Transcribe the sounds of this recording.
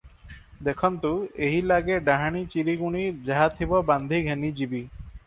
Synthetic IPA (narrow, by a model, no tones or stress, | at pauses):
d̪ekʰɔnt̪ueɦilaɡeɖaɦaɽ̃it͡ɕiɾiɡuɽ̃id͡ʑaɦat̪ʰibɔband̪ʱiɡʱenid͡ʑibi